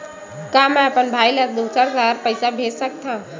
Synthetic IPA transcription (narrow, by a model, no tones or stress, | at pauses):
kamɛəpənbʱajləɾd̪osəɾɡaɾpəjsabʱesək̚t̪ʰã